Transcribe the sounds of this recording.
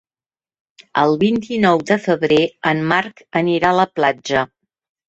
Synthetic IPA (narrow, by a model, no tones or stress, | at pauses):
ə̰lˠβint̪inɔwd̪əfəβɾeəmːaɾkəniɾaləplad͡ʒə